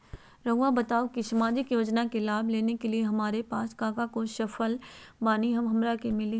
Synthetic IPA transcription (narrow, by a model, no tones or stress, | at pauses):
ɾɐɦʋabɐt̪aːokisɐmaːd͡ʒɪkjoːd͡ʒnakelaːbleːnekelieɦɐmaːɾepaːskaːkakoʃɐfəlbaːniɦɐmɦɐmɾakemɪli